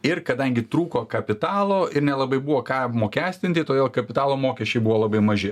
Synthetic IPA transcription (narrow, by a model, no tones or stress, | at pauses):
ɪrkɐd̪ɐŋʲɡʲɪt̪ɾuːkoːkɐpʲɪt̪ɑːlˠoːɪɾnʲɛlˠɐbɐɪbuʋoːkɑːmoːkʲæːsʲt̪ʲɪnt̪ʲɪt̪oːd̪ʲeːlˠkɐpʲɪt̪ɑːlˠoːmoːkʲɛʃʲt͡ʃʲɛɪbuʋoːlˠɐbɐɪmɐʒʲɪ